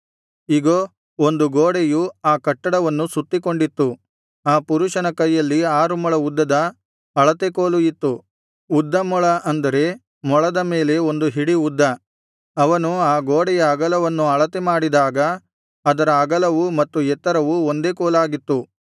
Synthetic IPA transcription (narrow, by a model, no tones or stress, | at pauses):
iɡoː | ond̪uɡoːɽejuaːkɐʈːɐɽɐʋɐnːusut̪ːiko̞ɳɖit̪ːu | aːpuɾuʂɐnɐkɐjːɐlːiaːɾumɔɭɐud̪ːɐd̪ɐ | ɐɭɐt̪ekoːlujit̪ːu | ud̪ːɐmɔɭɐʔɐnd̪ɐɾe̞ | mɔɭɐd̪ɐme̞ːle̞o̞nd̪uɦiɽiud̪ːɐ | ɐʋɐnuaːɡoːɽɛjɐːɡɐlɐʋɐnːuɐɭɐt̪emaːɽid̪aːɡɐ | ɐd̪ɐɾɐːɡɐlɐʋumɐt̪ːuɛt̪ːɐɾɐʋuond̪e̞ːkoːlaːɡit̪ːu